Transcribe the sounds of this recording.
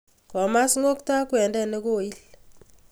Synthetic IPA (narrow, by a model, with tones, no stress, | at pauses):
kɔ˨ma˦sŋo˦kta˦kwɛ˨ndɛ˦ne˦ko˦˨i˦l